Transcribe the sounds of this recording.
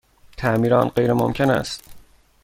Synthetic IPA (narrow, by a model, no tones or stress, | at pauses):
t̪ʰæʔmiːɾɒːnɢe̞jɾemomcʰenæ̰st̪